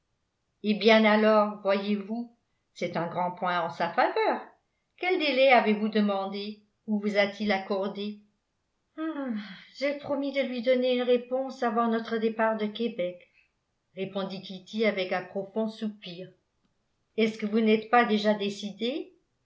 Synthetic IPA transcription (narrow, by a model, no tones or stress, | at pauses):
ebjɛ̃nalɔʁvwajevu | sɛt̪ɛ̃ɡʁɑ̃pwɛ̃ɑ̃safavœːʁ | kʲɛld̪elɛavevud̪əmɑ̃d̪e | uvuzat̪ilakɔʁd̪e | ʒepχɔmid̪əlɥid̪ɔneynʁepɔ̃savɑ̃nɔt̪χəd̪epaʁd̪əkebɛk | ʁepɔ̃d̪ikʲit̪iavɛkɛ̃pχɔfɔ̃supiːʁ | ɛskəvunɛt̪pad̪eʒad̪esid̪e